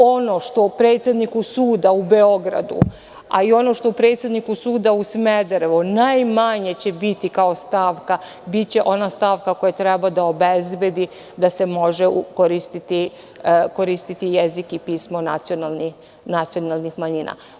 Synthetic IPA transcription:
o̞no̞ʃt̪o̞pɾe̞ːt̪sʲjed̪nikusuːd̪aube̞o̞ɡɾa̰d̪ṵ | a̰io̞no̞ʃt̪opɾe̞ːt̪sjed̪nikusuːd̪ausmed̪ɾeʋunajmaɲe̞t͡ɕebit̪ikao̞st̪aːʋka | bit̪t͡ɕe̞ʔo̞nast̪aːʋkako̞jat̪ɾɛbad̪aobezbjed̪i | d̪ase̞mo̞ʒeukoɾist̪it̪i | ko̞ɾist̪it̪ijezikipiːsmona̰t̪sionalni | nat̪sio̞nalˠnixmaɲina̰

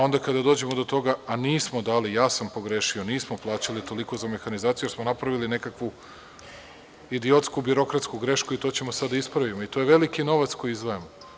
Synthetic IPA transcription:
o̞nd̪akad̪ad̪od͡ʑe̞mod̪o̞t̪o̞ɡaːniːsmo̞d̪aːlijaːsampo̞ɡɾeʃioniːsmo̞plˠaːt͡ɕalit̪o̞liko̞zame̞xanizaːt̪sijujeɾsmo̞napɾaʋiline̞kakʋu | id̪io̞t̪skubiɾo̞kɾat̪skuɡɾe̞ʃkuit̪o̞ːt͡ɕe̞mo̞sad̪aispɾaʋimoit̪o̞jeʋe̞likino̞ʋat̪sko̞jizʋaemo

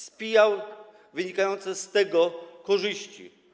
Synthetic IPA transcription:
spʲijaw | vɘɲikajɔnt̪sɛst̪ɛɡɔkɔʐɘɕt͡ɕḭ

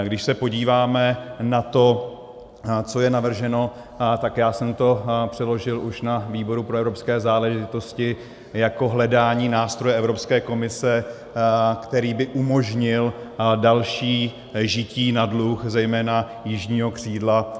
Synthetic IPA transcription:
ɡdɪʃsɛpo̞ɟiːvaːmɛnat̪o̞ | t͡so̞jɛnavr̩ʒɛno̞ | t̪akjaːsɛmt̪o̞pr̥ɛlo̞ʒɪlʔuʃnaviːbo̞ɾupɾoɛvɾopskɛːzaːlɛʒɪt̪o̞scɪ | jako̞ɦlɛdaːɲiːnaːst̪ɾo̞jɛɛvɾo̞pskɛːko̞mɪsɛ | kt̪ɛɾiːbɪʔumo̞ʒɲɪldalʃiː | ʒɪciːnadluxzɛjmɛːna | jɪʒɲiːɦo̞kr̝̥iːdla

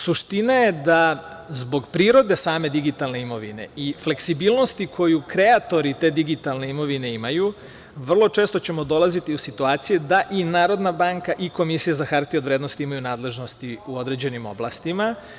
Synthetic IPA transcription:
suʃt̪inajed̪azbo̞ɡpɾiːɾo̞d̪e̞saːme̞d̪iɡit̪alˠne̞imo̞ʋḭne̞̰ʔifle̞ksibiːlˠno̞st̪ikʰo̞jukɾe̞at̪o̞ɾit̪e̞ːd̪iɡit̪alˠne̞imo̞ʋine̞imaju | ʋr̩lˠo̞t͡ʂeːst̪o̞t͡ɕemo̞d̪o̞lazit̪iusit̪uaːt̪sijed̪aʔinaːɾo̞d̪nabaŋkaʔiko̞misijazaxaɾt̪iod̪ɾeːd̪nost̪iimajunaːd̪le̞ʒno̞st̪iuo̞d̪ɾe̞d͡ʑe̞nimo̞̰blˠast̪ima

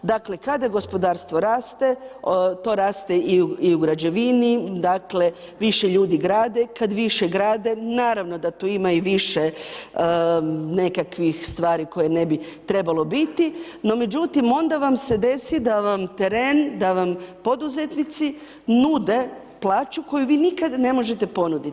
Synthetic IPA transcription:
d̪akle̞kad̪aɡo̞spo̞d̪aːɾst̪ʋo̞ɾaːst̪e̞t̪o̞ːɾaːst̪e̞iuiuɡɾad͡ʑe̞ʋinid̪akle̞ | ʋiʃeʎuːd̪iɡɾaːd̪e̞kad̪ʋiʃe̞ɡɾaːd̪e̞naːɾaʋno̞d̪at̪uːimaiʋiʃe | ne̞kakʋixst̪ʋaːɾiko̞jene̞bit̪ɾe̞balˠo̞bit̪ino̞me̞d͡ʑut̪imo̞nd̪aʋamse̞d̪e̞sid̪aʋamt̪eɾeːnd̪aʋampo̞d̪uzet̪nit̪si | nud̪e̞ | plˠaːt͡ʃuko̞juʋiːnikad̪ne̞mo̞ʒe̞t̪e̞po̞nud̪i

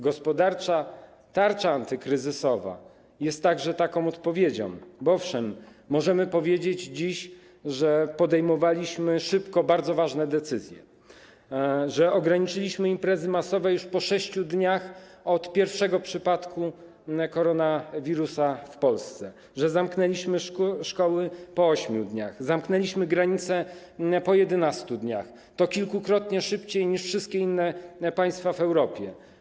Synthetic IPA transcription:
ɡɔspɔd̪aɾt͡ʂa | t̪aɾt͡ʂaant̪ɘkɾɘzɘsɔva̰ | jɛst̪ːaɡʐɛt̪akɔ̃w̃ɔt̪pɔvʲjed͡ʑɔ̰̃mbɔɔfʂɛmːɔʐɛmɘpɔvʲjed͡ʑed͡ʑd͡ʑiɕ | ʐɛpɔd̪ɛjmɔvalʲiɕmɘʂɘpkɔbaɾd̪zɔvaʐnɛd̪ɛt̪sɘzʲjɛ | ʐɛɔɡɾaɲit͡ʂɘlʲiɕmɘimpɾɛzɘmasɔvɛjuʂpɔʂɛɕt͡ɕud̪ɲaxɔt̪pʲjɛɾfʂɛɡɔpʂɘpat̪kʰu | kɔɾɔnavʲiɾusafpɔlst̪sɛ | ʐɛzamknɛlʲiɕmɘʂkɔwɘpɔɔɕmʲjud̪ɲa̰xzamknɛlʲiɕmɘɡɾaɲit̪sɛ | pɔjɛd̪ɛnast̪ud̪ɲa̰x | t̪ɔkʲilkukɾɔt̪ɲɛʂɘpt͡ɕejɲiʂfʂɘst̪̚kʲeinːɛpaj̃st̪favɛwɾɔpʲjɛ

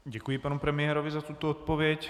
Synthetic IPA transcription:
ɟɛkujɪpanupɾɛmɪɛɾovɪzat̪ut̪oot̪̚povɪɛc

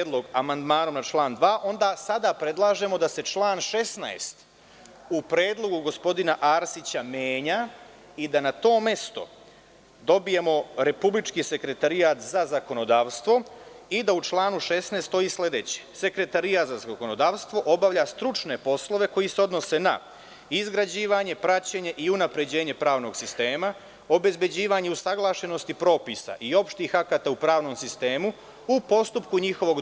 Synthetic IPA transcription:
ed̪loɡamand̪maːno̞mnat͡ʃlˠaːnd̪ʋaːʔo̞nd̪aːsad̪apɾe̞d̪lˠaːʒe̞mo̞d̪ase̞t͡ʃlˠaːnʃe̞snaest̪ | upɾe̞ːd̪lˠo̞ɡuɡo̞spo̞d̪inaʔaːɾsit͡ɕameːɲa | id̪anat̪o̞ːme̞st̪o̞̰ | d̪o̞bije̞mo̞ɾe̞publit͡ʃkise̞kɾe̞t̪aɾijaːt̪zazako̞no̞d̪aːʋst̪ʋo̞id̪aut͡ʃlˠaːnuʃe̞snest̪o̞isle̞d̪e̞t͡ɕe̥se̞kɾe̞t̪aɾijaːt̪zazako̞nod̪aːʋst̪ʋo̞ʔo̞baʋʎast̪ɾut͡ʃne̞po̞slo̞ʋe̞ko̞jise̞o̞d̪no̞se̞na̰ | izɡɾad͡ʑiːʋaɲe̞pɾat͡ɕe̞ɲe̞ʔiunapɾe̞d͡ʑe̞ːɲe̞pɾaːʋno̞ɡ̥sist̪e̞ːma | o̞be̞zbe̞d͡ʑiːʋaɲe̞usaɡlˠaːʃe̞no̞st̪ipɾo̞ːpisa̰ʔio̞pʃt̪ixakat̪aupɾaːʋno̞msist̪e̞ːmu | upo̞st̪upkuɲixo̞ʋo̞ɡ

